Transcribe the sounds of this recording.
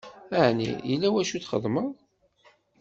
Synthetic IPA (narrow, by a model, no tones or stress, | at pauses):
əʕnḭilːæwæʃuθχə̰ðˤməðˤ